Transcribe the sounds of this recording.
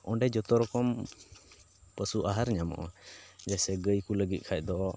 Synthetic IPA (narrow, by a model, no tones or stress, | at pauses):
ɔɳɖɛd͡ʒɔt̪ɔɾɔkɔm | pəsuʔaɦaɾɲamɔ̰ʔɔ̰d͡ʒasɛɡəjkuləɡit̪̚ˀkʰac̚ˀd̪ɔʔɔ